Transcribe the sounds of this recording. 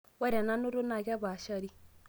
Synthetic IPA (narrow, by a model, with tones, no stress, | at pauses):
wa˦ɾa˨na˦no˦ɾo˦na˨ɣa˦ba˨ʃa˦ɾi˦